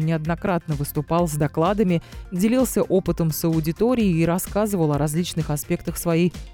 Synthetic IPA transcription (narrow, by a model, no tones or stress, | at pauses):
nʲɪɐd̪nɐkɾat̪̚nəvɨst̪ʊpɑlˠzd̪ɐklˠad̪əmʲɪdʲɪlʲilˠsʲəʔopɨt̪əmsəʊdʲɪt̪oɾʲɪɪːɾɐskazɨvəlˠɐɾɐzʲlʲit͡ɕnɨxɐspʲe̞k̚t̪əxsvɐjij